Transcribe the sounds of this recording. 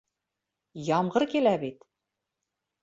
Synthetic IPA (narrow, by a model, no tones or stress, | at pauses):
jɑmɢɤɾkilæbit̪